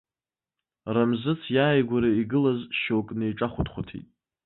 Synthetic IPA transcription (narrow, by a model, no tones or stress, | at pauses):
ramzɨt͡sʰjaːjɡʷaɾaiɡɨlazʃokʼnejʈ͡ʂʼaχʷʊdχʷatʰḭtʼ